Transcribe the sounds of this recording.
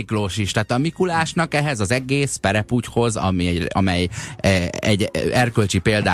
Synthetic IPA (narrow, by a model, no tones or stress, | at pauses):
kloːʃiʃt̪aːt̪ɒmikulaːʃnɒkɛɦɛzɒzɛɡeːspɛɾɛpucho̞zɒ̰miɒ̰mɛj | ɛɟɛrkølt͡ʃipeːld̪aː